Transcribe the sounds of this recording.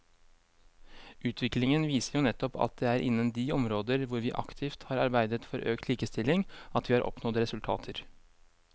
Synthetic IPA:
ʔʉːt̪ʰʋɪklɪŋənʋiːsəɾjʊnɛt̪ːɔpɑ̰t̪̚d̪eːæːɾʔɪ̰nːənd̪iːɔmɾoːd̪əɾʋʊɾʋiːʔɑ̰kt̪ʰɪːft̪hɑːɾɑɾbæɪd̪ət̪fɔɾʔøːkt̪ʰliːkəst̪ɪlɪŋɑt̪ʋiːhɑːɾʔɔ̰pnɔt̪ɾɛsʉlt̪ʰɑ̰ːt̪ʰəɾ

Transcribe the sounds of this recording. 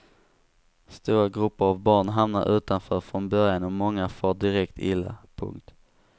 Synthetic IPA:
st̪uːɾaɡɾɵpːəɾavbɑːɳɦamn̪a̰ɾʔʉ̟ːt̪anfœːɾfɾɔnbœɾjanɔmɔŋːafɔːɖɪɾɛkt̪ɪlːa̰pʰɵ̰ŋk̚t̪

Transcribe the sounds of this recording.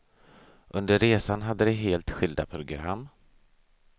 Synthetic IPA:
ʔɵnd̪əɾːeːsanɦad̪ːəɾɛɦeːlt̪ɧɪld̪a̰pʰɾʊɡɾa̰mː

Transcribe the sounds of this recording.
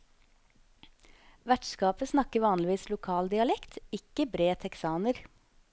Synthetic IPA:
ʋæʈskɑːpəsnɑkəʋɑːnlɪʋiːslʊkʰɑːld̪ɪɑlɛkt̪ɪkəbɾeːt̪ʰɛksɑːnəɾ

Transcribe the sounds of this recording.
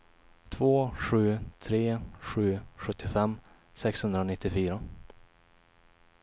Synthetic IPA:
t̪ʰvoːɧʉ̟ːt̪ʰɾeːɧʉ̟ːɧɵt̪ʰːɪfɛmː | sɛkshɵnd̪ɾanɪt̪ːɪfyːɾa

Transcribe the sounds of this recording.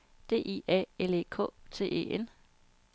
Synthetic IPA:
d̥e̝̰ːʔiɛ̰ele̝kʰɔ̰̽ːt͡sʰe̝̰ːe̝̰ːen

